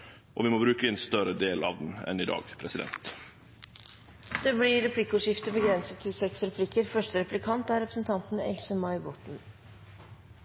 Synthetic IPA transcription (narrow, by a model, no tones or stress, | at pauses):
ʔɔ̰ʋɪmoːbɾʉːkəeːnst̪œɾəd̪eːlʔɑ̰ːʋd̪n̩ɛ̰nɪd̪ɑ̰ːɡ̥pʰɾɛsɪd̪ɛ̰nt̪ | d̪̥eːblɪɾɛpʰlɪkːʊʂɪft̪əbəɡɾɛnsət̪ʰːɪsɛksɾɛpʰlɪkəɾfœʂʈəɾɛplɪkʰɑnt̪æːɾɛpɾəsn̩t̪ʰɑnt̪n̩ɛ̰lsəmɑɪbɔt̪n̩